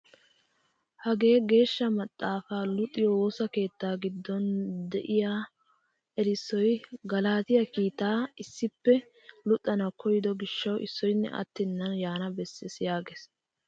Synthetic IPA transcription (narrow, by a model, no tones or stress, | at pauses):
hɐɡe̞ːɡe̞ːʃːɐmɐt̪ʼːaːfaːlʊt̪ʼːɪjɔwoːsɐke̞ːt̪ːaːɡɪd̪ːɔnd̪ɛ̰ʔɪjaː | ʔɛɾɪsːɔjɡɐlaːt̪ɪjɐkiːt̪aːɪsːɪpːɛ | lʊt̪ʼːɐnɐkʰɔjɪd̪ɔɡɪʃːɐwʔɪsːɔjnːɛ̰ʔɐ̰t̪ːɪnːɐnjaːnɐbɛsːɛsɪjaːɡes